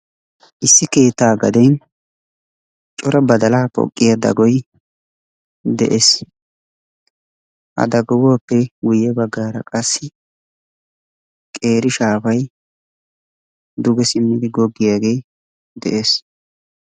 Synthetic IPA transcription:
ʔɪsːɪke̞ːt̪ːaːɡɐd̪ɛn | t͡ʃʼɔɾɐbɐd̪ɐlaːpɔ̰kʼːɪjad̪ɐ̰ɡɔj | d̪ɛʔeːs | ʔɐ̰d̪ɐɡɔwɔɐpːɛɡʊjɛbɐɡːaːɾɐkʼɐsːɪ | kʼe̞ːɾɪʃaːfɐj | d̪ʊɡɛsɪmːɪd̪ɪɡɔɡːɪjaːɡe̞ː | d̪ɛʔe̞ːs

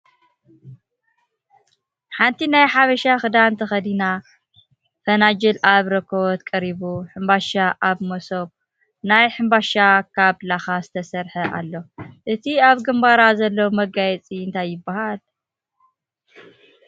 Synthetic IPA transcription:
ħant̪ʰinajħaβɐʃaxɨd̪ant̪ʰɐxɐd̪ina | fɐnad͡ʒɐlʔaβɾɐkʰːoβt̪kʼɐɾiβuħɨmbaʃaʔaβmosoβ̚ | najħɨmbaʃakʰaβlaxazɨt̪ʰɐsɐɾħɐʔa̰lːo̞ʔɨt̪ʰiaβɡɨmbaɾazɐlːowmɐɡajɛt͡sʼiɨnt̪ʰajːɪbːahal

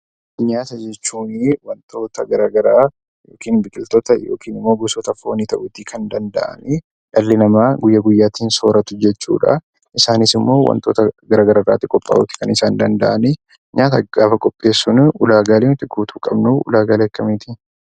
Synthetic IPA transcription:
ɲaːt̪ɐd͡ʒɛt͡ʃːuːnɪwɐnt̪ʰo̞ːt̪ɐɡɐɾaːɡɐɾaː | joːkiːnbɪkʼɪlt̪ɔːt̪ɐjo̞̰ːkʰiːnɪmːoːɡʊsoːt̪ɐfo̞ːniːt̪ɐʔʊt̪ɪkʰɐnd̪ɐnd̪ɐ̰ʔɐ̰nɪ | ᶑɐlːɪnɐmaːɡʊjːɐɡʊjːaːt̪iːnsoːɾɐt̪ʊd͡ʒɛt͡ʃːṵːᶑɐ̰ | ʔɪsaːnɪsɪmːo̞ːwɐ̰nt̪o̞ːt̪ɐɡɐɾaːɡɐɾɐra̰ːt̪ːɪkʼɔpʼːa̰ːʔuːt̪ɪ̥kɐnɪsaːnd̪ɐnd̪ɐʔɐnɪ | ɲaːt̪ɐɡaːfɐkʼɔpʼːe̞ːsːʊnʊlaːɡaːlent̪ːɪkːuːt̪ʰuːkʼɐbnuʊ̰laːɡaːleɐkːɐmeːt̪ɪ

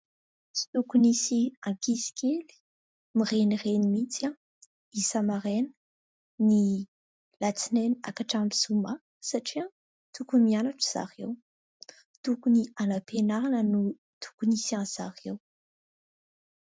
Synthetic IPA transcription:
si̥t̪ukunisiãkisi̥keli̥ | mirenirenimit͡sa | isamaɾenə̥ | ni | lat͡sineniakaʈ͡ʂamʈ͡ʂi̥suma | saʈ͡ʂia | t̪ukumianaʈ͡ʂəz̥a̰ɾew | t̪ukunianapenaanənu | t̪ʰu̥kunisiãnz̥a̰ʁew

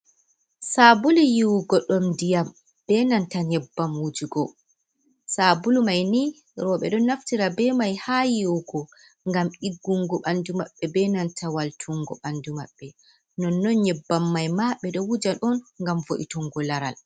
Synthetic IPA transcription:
sabulijiwuɡɔɗɔmdijam | b̥ɛnantaɲɛbːamwud͡ʒuɡɔ | sabulumajni | ɾɔɓɛ̰ɗɔnːaftiɾabɛmajhaːjiwɡɔ | ŋɡamʔiɡːuŋɡɔɓandumaɓːɛbɛnantʰawaltʰuŋɡɔɓandumaɓːɛ | nɔnːɔnɲɛbːamːajmaɓɛɗɔwud͡ʒaɗɔnŋɡamvoʔḭtɔŋɡɔlaɾa̰l

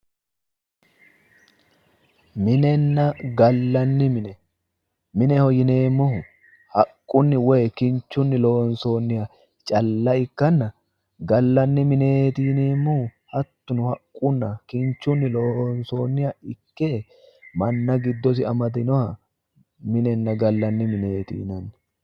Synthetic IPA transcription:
mɪnɛnːɐɡɐlːɐnːɪmɪnɛ | mɪnɛhɔjɪneːmːʊhʊ | hɐkʼːʊnːɪwɛjkɪnt͡ʃːʊnːɪlo̞ːnso̞ːnːɪjɐ | t͡ʃʼɐlːɐɪkːɐnːɐ | ɡɐlːɐnːɪmɪneːt̪ɪneːmːʊhʊhɐt̪ːʊnʊhɐkʼːʊnːɐkɪnt͡ʃːʊnːɪloːnsoːnːɪjɐɪkːeː | mɐnːɐɡɪd̪ːɔs̬ɪɐmɐd̪ɪnɔhɐ | mɪnɛnːɐɡɐlːɐnːɪmɪne̞ːt̪ḭːnɐnːɪ̥

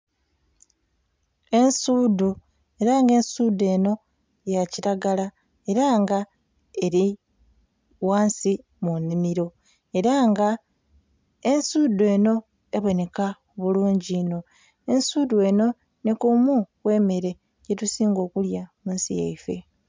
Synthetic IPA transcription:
e̞nsuːdu | e̞ɾaŋɡe̞nsude̞ːno̞ | jaciɾaɡala | e̞ɾaŋɡa | e̞ɾi | waːnsi | munimiɾo̞ | e̞ɾaŋɡa | ensuːde̞ːno̞ | eβo̞ne̞kaoβuluːɲɟino̞ | ensuːd̪ue̞no̞ | nikumukwe̞ːme̞ɾe̞ | ɟe̞tusiːŋɡo̞ːkuljamuːnsijḛjfe̞̰

